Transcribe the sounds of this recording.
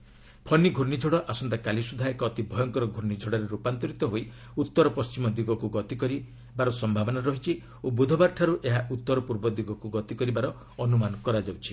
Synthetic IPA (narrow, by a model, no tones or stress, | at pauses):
pʰɔniɡʱuɾnid͡ʒʱɔɽɔʔasɔnt̪akalisud̪ʱaekɔːt̪ibʱɔjɔŋkɔɾɔɡʱuɾnid͡ʒʱɔɽaɾeɾupant̪ɔɾit̪ɔɦoj | ut̪ːɔɾɔpɔst͡ʃimɔd̪iɡɔkuɡɔt̪ikɔɾi | baɾɔsɔmbʱabɔnaɾɔɦit͡ʃʰi | obud̪ʱɔbaɾʈʰaɾuʔeɦaʔut̪ːɔɾɔpuɾbɔd̪iɡɔkuɡɔt̪ikɔɾibaɾɔ | ɔnumanɔkɔɾad͡ʒawt͡ʃʰi̥